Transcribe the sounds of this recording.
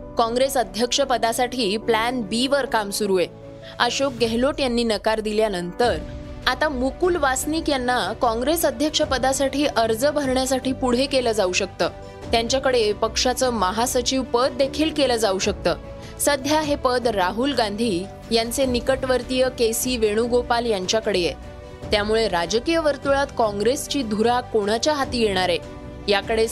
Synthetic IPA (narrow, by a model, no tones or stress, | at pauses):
kɔ̃ŋɡɾesəd̪ʱjəkʂəpəd̪asaʈʰiːplænbiʋəɾkamsuɾue | əɕok̚ɡeɦloʈjanːiːnəkaɾd̪iljanənt̪əɾ | at̪amukuːlʋasniːkjanːakɔ̃ŋɡɾesəd̪ʱjəkʂəpəd̪asaʈʰiːʔəɾd͡zəbʱəɾɳjasaʈʰiːpuɽ̤ekeləːd͡zauɕək̚t̪əː | t̪jãɲt͡ɕjakəɽepəkʂat͡səːməɦasət͡ɕiʋpəd̪̚ːekʰiːlkeləd͡zauɕək̚t̪əː | səd̪ʱjaɦepəd̪ɾaɦuːlɡãnd̪ʱiː | jant͡senikəʈʋəɾt̪ijəkesiːʋeɽ̃uːɡopaljaɲt͡ɕjakəɽeje | t̪jamuɭeɾad͡ʑkijəʋəɾt̪uɭat̪kɔ̃ŋɡɾest͡ɕiːd̪ʱuɾakoɽ̃at͡ɕjaɦat̪iːjeɽ̃aɾe | jakəɽe